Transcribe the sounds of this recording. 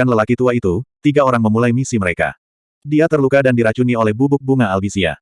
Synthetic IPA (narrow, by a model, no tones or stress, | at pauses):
anləlakit̪uait̪ut̪iɡaoɾaŋməmulajmisiməɾeka̰ | diat̪ərlukadandiɾat͡ʃuniolɛhbubʊk̚buŋaːlbisia̰